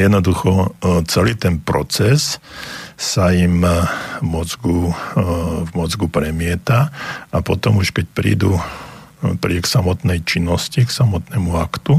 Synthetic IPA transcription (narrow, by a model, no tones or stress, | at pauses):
jɛd̪nɔd̪uxɔt͡sɛliːt̪ɛnpɾɔ̰t͡sɛsː | ajim | mɔd͡zɡu | vmɔd͡zɡupɾɛmɪɛt̪aapɔt̪ɔmuʃkɛc̚pɾḭːd̪u | pɾḭɛksamɔt̪nɛjt͡ʃinːɔsciksamɔt̪nɛːmuakt̪u